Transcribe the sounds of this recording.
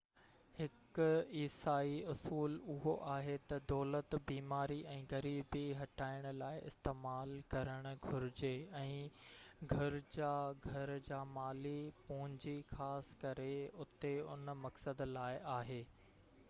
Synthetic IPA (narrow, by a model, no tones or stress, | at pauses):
hɪkʊiːsaːiʊsuːlʊɦoʔaːɦet̪ɐd̪ɔːlət̪biːmaːɾiʔɛ̃ːɣɐɾiːbiɦɐʈaːɪɽ̃ʊ̆laːɪʔɪ̰st̪eːmaːlkɐɾəɽ̃ʊ̆ɡʱʊɾɪd͡ʑeɛ̃ːɡʱɐɾd͡ʑaːɡʱɐɾd͡ʑaːmaːlipʊɦɪ̃ɲd͡ʑixaːskɐɾeʊt̪eʊnmɐksəd̪laːɪʔaːɦeː